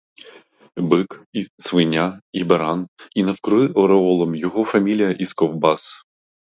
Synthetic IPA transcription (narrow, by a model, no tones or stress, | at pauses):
bɪkisʋɪnʲaibɛɾaninɐwkɾʊɪʔɔɾɛɔlˠɔmjɔɣɔfamʲilʲijɐʔiskɔwbas